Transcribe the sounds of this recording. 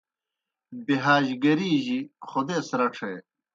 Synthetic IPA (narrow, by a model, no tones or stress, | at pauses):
biɦaːʑɡɐɾiːʑiχod̪eːsɾɐʈ͡ʂʰeː